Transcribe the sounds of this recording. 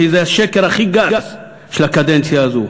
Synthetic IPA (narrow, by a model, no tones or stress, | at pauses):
izeaʃekeʁaχiɡaaz | ʃelakad̪ent͡sjaːzo